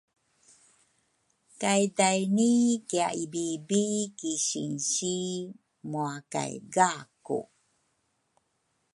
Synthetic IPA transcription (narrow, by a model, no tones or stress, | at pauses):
kajdajnikiaʔibibikiɕḭnɕi | muaka̰jɡakṵ